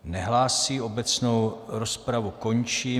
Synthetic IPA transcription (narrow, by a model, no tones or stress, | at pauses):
nɛɦlaːsiːo̞bɛt͡snowɾospɾavuko̞ɲt͡ʃiː